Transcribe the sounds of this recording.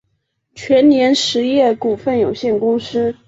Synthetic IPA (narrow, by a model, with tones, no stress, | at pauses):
t͡ɕʰɥɛ˧˥nnjɛ˧˥nʂɻ̩˧˥jɛ˥˩ku˨˩fə˥˩njo˨˩ʊɕjɛ˥˩nkʊ˥ŋʂɻ̩˥